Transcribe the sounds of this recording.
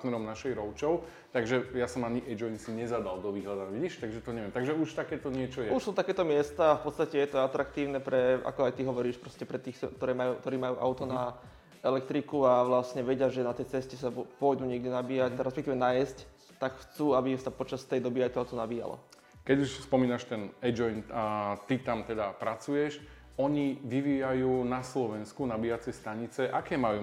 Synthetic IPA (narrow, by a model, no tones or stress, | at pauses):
t̪nɛɾɔmnaʃɛjɾɔʊt͡ʃɔʊ | t̪aɡʒɛjasɔmaɲiʔɛd͡ʒɔinsiɲɛzad̪ald̪ɔʋiɦlad̪aɲʋiɟiʃt̪aɡʒɛt̪ɔɲɛʋɛmt̪aɡʒɛuʃt̪akɛːt̪ɔɲɪɛt͡ʃɔjɛuʃsuːt̪akɛːt̪ɔmɪɛst̪aːfpɔt̪st̪acɛjɛt̪ɔat̪ɾakt̪iːʊnɛpɾɛa̰kɔajt̪iɦɔʋɔɾiːʃpɾɔscɛpɾɛt̪iːxkt̪ɔɾɛːmajuːkt̪ɔɾiːmajuːʔa̰ʊt̪ɔna | ɛlɛk̚t̪ɾikuaʋlasɲɛʋɛɟɪaʒɛnat̪ɛjt͡sɛscɛsabpɔjd̪uːɲɪɛɡɟɛnabiːjacɾɛspɛkt̪iːʋɛnajɛsc | t̪akxt͡suːabisapɔt͡ʃast̪ɛjd̪ɔbiajt̪ɔaʊt̪ɔnabiːja̰lɔ̰ | kɛɟuʃspɔmiːnaʃt̪ɛnɛd͡ʒɔjnt̪it̪amt̪ɛd̪apɾat͡sujɛʃ | ɔɲiʋiʋiːjajuːnaslɔʋɛnskunabiːjat͡sɪɛst̪aɲit͡sɛʔakɛːmajuː